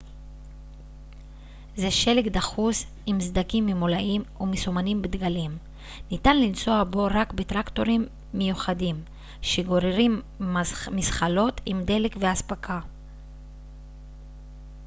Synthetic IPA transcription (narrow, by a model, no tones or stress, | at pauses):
zeʃe̞lekd̪aχus | imzd̪akimːemolaʔimumisumanimbed̪ɡalim | nit̪anlint͡so̞abo̞ɾakbet̪ʁakt̪o̞ʁimː | ejuχadim | ʃeɡo̞ɾeʁim | misχalo̞t̪ʰimd̪e̞lekveaspakʰa